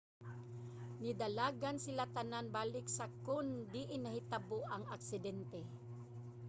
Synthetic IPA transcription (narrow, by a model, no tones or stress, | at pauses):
nid̪alaːɡansɪlat̪ananbaːlɪksakʊnd̪ɪʔɪnɐhit̪aboʔaŋaksɪd̪ɛnt̪ɛ